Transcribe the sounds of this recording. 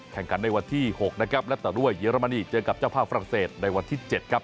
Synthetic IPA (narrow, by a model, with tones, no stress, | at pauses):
kʰɛ˨˩ŋkʰa˩˦nːa˧jwa˧nt̪ʰiː˥˩ho˨˩k̚na˦˥kʰɾa˦˥p̚lɛ˦˥t̪ɛ˨˩du˥˩əjːiː˧˦ɾa˧ma˧niː˧˩t͡ɕɤː˧ka˨˩p̚t͡ɕaː˥˩wpʰaː˥˩fa˧ɾa˨˩ŋseː˨˩t̪̚na˧jwa˧nt̪ʰiː˥˩t͡ɕe˨˩t̪̚kʰa˦˥p̚